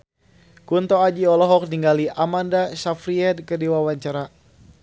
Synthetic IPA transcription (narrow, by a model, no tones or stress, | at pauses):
kunt̪ɔad͡ʒiɔlɔɦɔk̚niŋɡaliʔamandasafɾiɛd̪̚kədiwawaɲt͡ʃaɾa